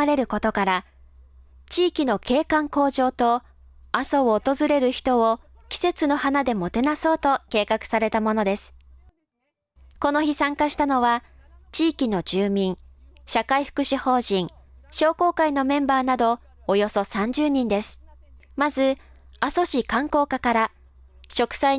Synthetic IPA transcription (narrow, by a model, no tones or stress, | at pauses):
aɾe̞ɾɯ̟ko̞t̪okaɾa | t͡ɕiːkʲino̞ke̞ːkãŋko̞ːʑo̞ːt̪o̞ | asooːt̪o̞zɨɾe̞ɾɯ̟çi̥t̪o̞o | kʲi̥se̞t͡sɨno̞hanad̪e̞mo̞t̪e̞naso̞ːt̪o̞ke̞ːkakɯ̟̥saɾe̞t̪amo̞no̞d̪e̞sɨ̥ | ko̞no̞çisãŋkaɕi̥t̪ano̞βat͡ɕiːkʲino̞d͡ʑɨːmʲĩŋɕakaiɸɯ̥kɯ̟ɕiho̞ːʑĩŋ | ɕo̞ːko̞ːkaino̞mẽ̞mbaːnad̪o̞ː | jo̞so̞sãɲ̟d͡ʑɨːɲ̟ĩnd̪e̞sɨ̥ | mazɨ | aso̞ɕikãŋko̞ːkakaɾa | ɕo̞kɯ̟̥sai